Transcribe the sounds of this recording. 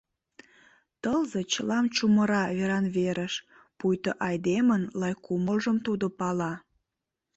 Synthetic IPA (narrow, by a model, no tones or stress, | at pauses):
t̪əlzet͡ɕəlɑmt͡ɕuməɾɑβeɾɑnβeɾəʃ | pujt̪oʔɑjd̪emənlɑjkuməlʒəmt̪ud̪opɑlɑ